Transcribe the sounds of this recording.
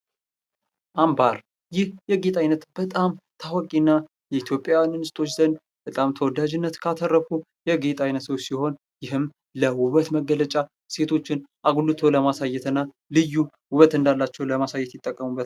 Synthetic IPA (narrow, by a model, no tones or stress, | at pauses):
ʔambaɾ | jɪhjɛɡet̪ʼajnət̪bət̪ʼamt̪ʰawɔkʼinːa | jɛit̪ʰjo̞pʼːjawannɨst̪ʰʼo̞t͡ʃːzənd̪ | b̥ət̪ʼamt̪ʰəwɔd̪ad͡ʒɪnːət̪kʰat̪ʰərːəfu | jɛɡet̪ʼajnət̪səwsiho̞n | jɪhɨm | ləwʊβət̪məɡːələt͡ʃʼa | se̞t̪ʰo̞t͡ʃːɪnʔaɡulut̪ʰo̞ləmasajɛt̪ɨnːa | lɨjːu | wʊβət̪ɨnd̪alːat͡ʃːɛwləmasajɛt̪jɪt̪ʼːəkʼːəmubət̪